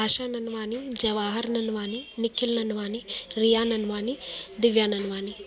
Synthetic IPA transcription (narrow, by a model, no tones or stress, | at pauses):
aːʃaːnɐnʋaːnid͡ʒɐʋaːɦɐɾɐnɐnʋaːninikʰːilnɐnuʋaːniɾijaːnɐnʋaːnid̪iʋjaːnɐnuʋaːni